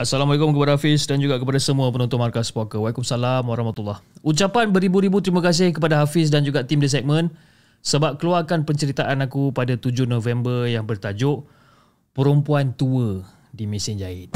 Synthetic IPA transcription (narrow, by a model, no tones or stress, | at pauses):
asalamwalekʊmkəpadaɦafɪsdand͡ʒuɡaʔkəpadasəmuəpənɔnt̪ʊnmarkaspokəwalikʊmsalamwaɾahmat̪ulːahut͡ʃapanbəɾibuɾibut̪ɾimakas̬ɪhkəpadaɦafɪs̬dand͡ʒuɡaʔt̪imdəs̬ɛk̚mə̃n | səbap̚kəluarkanpəɲt͡ʃəɾit̪aʔanakupadat̪ud͡ʒʊhnõvɛmbərjaŋbərt̪ad͡ʒʊʔ | pəɾumpuant̪uə | dimĩsɪnd͡ʒaɪt̪̚